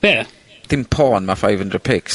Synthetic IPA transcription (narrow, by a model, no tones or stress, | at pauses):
ɛ | θɪ̃mpʰɔːnmafaɪvə̃ndɹəpʰɪks